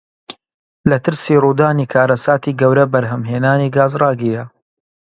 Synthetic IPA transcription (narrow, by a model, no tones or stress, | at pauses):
lɐt̪ɨɾsiruːd̪aːniːkʰaːɾɐsaːt̪iːɡɐwɾɐbɐɾɦɐmɦeːnaːniːɡaːzrɑːɡiːɾɐ